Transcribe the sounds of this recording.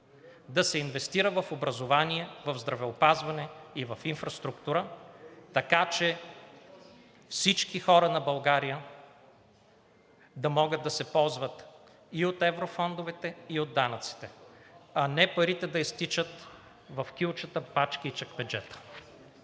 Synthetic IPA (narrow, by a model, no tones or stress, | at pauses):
d̪ɐsɛinvɛst̪iɾəvɐfobɾɐzovaniɛvɐvzd̪ɾɐvɛopazvɐnɛivɐfinfɾɐst̪ɾukt̪uɾət̪ɐkat͡ʃɛ | fsit͡ʃkixɔɾɐnɐbɐlˠɡaɾijə | d̪ɐmɔɡəd̪̚d̪ɐsɛpɔlˠzvɐt̪ | iot̪ɛvɾofɔnd̪ovɛt̪ɛiod̪ːanɐt̪si̥t̪ɛɐnɛpɐɾit̪ɛd̪ɐist̪it͡ʃət̪ | vɐfk̟ilˠt͡ʃət̪əpat͡ʃkəit͡ʃɐkbɛd͡ʒɛt̪ə̥